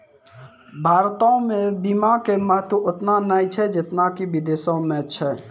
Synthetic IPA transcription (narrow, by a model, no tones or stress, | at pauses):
bʱaɾt̪ɔõmẽbimakeməɦt̪uʔot̪nanajt͡ʃʰɛd͡ʒet̪nakibid̪esɔmet͡ʃʰɛ